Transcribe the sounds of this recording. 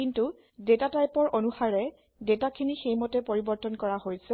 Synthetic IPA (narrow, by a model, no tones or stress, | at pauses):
kintu | detatajpɔɹʔɔnuxaɹɛ | detakʰinixejmɔtɛpoɹibɔɹtɔnkɔɹahojsɛ